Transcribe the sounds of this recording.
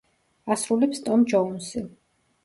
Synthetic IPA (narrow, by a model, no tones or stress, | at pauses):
asɾulɛpst̪ʼɔmd͡ʒɔunsi